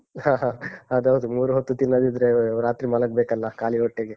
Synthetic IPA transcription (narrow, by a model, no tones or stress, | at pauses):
hãːɦaːɐd̪ɐʋɐd̪umuːɾuɦot̪ːut̪inːɐd̪id̪ɾeɾaːt̪ɾimɐlɐk̚bekɐlːɐkaːliɔʈːeɡe